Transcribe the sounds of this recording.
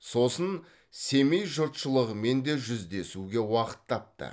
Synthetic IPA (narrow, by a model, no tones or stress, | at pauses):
so̞sən | se̞mejʒʊɾt̪ʃəlˠəʁəme̞nd̪e̞ʒʏzd̪e̞suɡʲe̞wɑqə̥t̪ʰːɑp̚t̪ə̰